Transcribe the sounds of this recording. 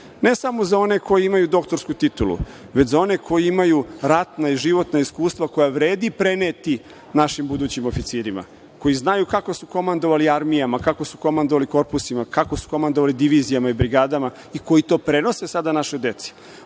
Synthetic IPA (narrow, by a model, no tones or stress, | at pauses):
ne̞samo̞zao̞ne̞ko̞jiimajud̪o̞kt̪o̞ɾskut̪it̪ulṵ | ʋet͡ɕzao̞ne̞kʰo̞jiimajuɾat̪naiʒiʋo̞t̪naiskuːst̪ʋako̞jaʋɾe̞ːd̪ipɾeneːt̪i | naʃimbud̪uːt͡ɕimofit̪siːɾima̰ | ko̞jiznajukako̞suko̞mand̪o̞ʋaliaɾmijamakako̞su̥ko̞mand̪oʋaliko̞ɾpusimakakosu̥ko̞mand̪oalid̪iʋizijamaibɾiɡaːd̪ama | iko̞jit̪o̞ːpɾe̞no̞se̞sad̪anaʃo̞jd̪e̞t̪si̥